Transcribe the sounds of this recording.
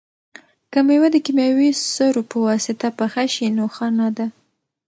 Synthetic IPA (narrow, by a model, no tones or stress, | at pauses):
kamajwad̪əkimjawisəɾopəwɑsɪt̪apaxaʃinoxɑnɑd̪a